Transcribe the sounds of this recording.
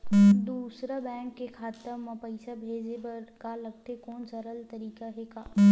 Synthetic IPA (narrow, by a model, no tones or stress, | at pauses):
d̪uːsɾabɛ̃ːŋkːekʰaːt̪əɾmɐ̃pɐɪsabʱeːd͡ʒebəɾkalɐɡ̚t̪ekɔːnsɐɾəlt̪ɐɾiːkaɦɛkaː